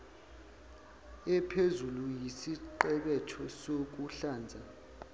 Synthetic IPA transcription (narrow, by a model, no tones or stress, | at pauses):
ɛpʰezulujisiǃɛɓɛtʰɔsok̬uɬaːnd͡zʱa